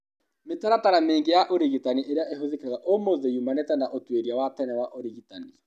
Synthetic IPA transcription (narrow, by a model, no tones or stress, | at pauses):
metaɾataɾameːŋɡejaʔoɾiɣitaniʔeɾeaʔeɦoðekaɣaʔomoðejumanɛtɛnaʔotweɾiawatɛnɛwaʔoɾiɣitani